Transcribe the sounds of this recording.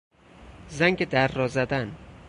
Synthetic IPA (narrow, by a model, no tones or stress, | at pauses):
zæŋɡʲed̪æɾːɒzæd̪æn